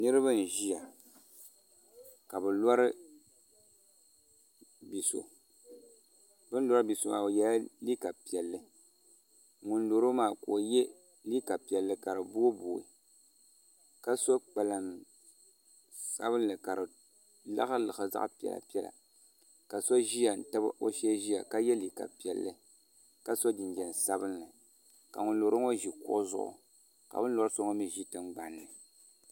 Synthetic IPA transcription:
nɨ˦ɾɨ˦bɨ˦n̩˨ʒi˦ja˨ | ka˨bɨ˨la˦ɾɨ˦ | bi˨so̰˨ | bɨ˦n˦lɔ˦ɾɨ˦bi˨so˨maː˨o˨jɛ˨la˦li˦ka˨pi˨ɛ˨lːɨ˨ | ŋu˨nlo˨ɾo˦maː˨ko˨je˦ | li˦ka˨pi˨ɛ˨lːɨ˨ka˨ɾɨ˨bu˦boː˨ḭ˨ | ka˦so˦k͡pa˨la˨m | sa̰˦bɨ˦n˦lɨ˨ka˨ɾɨ˨ | la̰˦ɣa˦lɨ˨xɨ˨za̰˦ʔpɛ̰˨la̰˨pi˦ɛ˦la̰˨ | ka˨so˦ʒi˦ja˨n̩˨ta˦ba̰˦ʔo˦ʃɛ˦ʒi˦ja̰˨ka˦jɛ˦li˨ka̰˨pi˨ɛ˨lːɨ˦ | ka˦so˦d͡ʒɪ˨nd͡ʒɛ˨n˨sa˦bɨ˦nlɨ˨ | ka̰˨ŋʊ˨n˦lo˨ɾo˦ŋo˦ʒi˨kʊ˦ʔʊ˦zʊ̰˦ʔʊ̰˨ | ka̰˨bɨ˦n˦lɔ˦ɾɨ˦so˦ŋo˦mi˨ʒi˦tɨ˦ŋɡ͡ba˨nːɨ˨

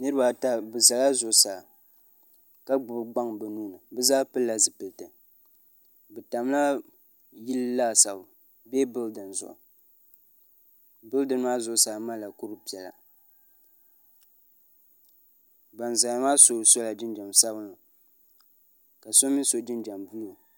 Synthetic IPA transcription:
nɨ˦ɾɨ˦ba˨ta˦bɨ˨za˨la˦zʊ˨ʔsa˨ | ka˦ɡ͡bʊ˨bɡ͡ba˦ŋbɨ˨nuː˦nɨ˨bɨ˦zaː˦pɨ˦lːa˨zɨ˨pɨ˨tɨ˨ | bɨ˨ta˨m˦la˦ | ji˦llaː˦sa˨bʊ˨ | be˦bɨ˦ldɨ˨n˨zʊ̰˨ʔʊ̰˨ | bɨ˦ldɨ˨˦n˦ma˦zʊ˦ʔsaː˨ma˦˨la˨ku˦ɾɨ˦pi˨ɛ˨la̰˨ | ba˨nza˨la˨ma˦so˨so˦la˨d͡ʒɪ˦nd͡ʒa˨msa˦bnɨ˨ | ka˨so˦mɪ˦n˦so˨d͡ʒɪ˦nd͡ʒa˨mbu˦lu˨

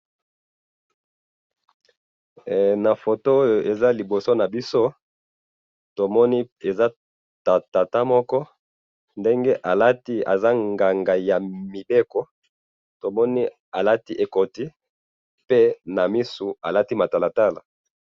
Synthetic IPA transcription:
na˨fo˨to˦o˦jo˨ʔe˨za˦li˨bo˨so˦na˨bi˦so˦ | to˨mɔ˦ni˦e˨za˦ | ta˨ta˨ta˦mɔ˦kɔ˦ | nde˦ŋɡe˦ʔa˨la˦ti˦a̰˨za˦ŋɡa˨ŋɡa˨ja˨mi˨be˦kɔ˨ | to˨mɔ˦ni˦ | a˨la˦ti˦ʔe˨ko˨ti˦ | pe˦na˨mi˦su˨a˨la˦ti˦ma˨ta˨la˨ta˦la˨

